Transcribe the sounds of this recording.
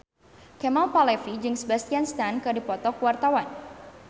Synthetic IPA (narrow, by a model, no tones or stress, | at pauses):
kɛmalpalɛfid͡ʒɨŋsəbast̪ianst̪ankɨrdipɔt̪ɔkwart̪awan